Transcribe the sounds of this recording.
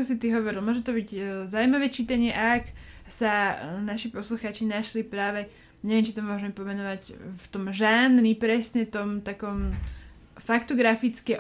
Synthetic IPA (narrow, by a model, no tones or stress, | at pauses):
kɔsit̪iɦɔʋɔɾilmʊɔʒɛt̪ɔbiɟzaʊuimaʋɛt͡ʃiːt̪aɲɪɛʔaaksanaʃipɔsluxaːt͡ʃinaʃlipɾaːʋɛ | ɲɛʋɛmt͡ʃit̪ɔmʊɔʒɛmɛpɔmɛnɔʋacft̪ɔmʒaːnɾipɾɛsɲɛt̪ɔmt̪akɔm | fakt̪ɔɡɾafit͡skɛʔ